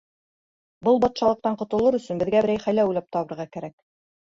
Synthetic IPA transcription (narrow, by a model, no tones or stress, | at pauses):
bɤlˠbɑt̪ʃɑlˠɤ̆q̚t̪ɑɴqŏt̪ɤ̆lˠɤɾɵ̆sɵ̆nbɘ̆ðɡæbɘ̆ɾæjχæjlæujlˠɑp̚t̪ɑβɤ̆ɾʁɑkæɾæk̚